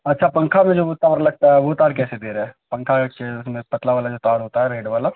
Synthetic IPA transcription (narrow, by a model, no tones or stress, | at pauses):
ɐtːʃʰapɐ̃ŋkʰamẽd͡ʒoːʋoːt̪ːaɐɾlɐɡ̚t̪aɦɛʋot̪aːɾkɛːsed̪eːɾɛːpɐ̃ŋkʰakeʊsmẽpɐt̪laʋaːlad͡ʒoːt̪aːɾɦoːt̪aɦɛɾeːɖʋaːla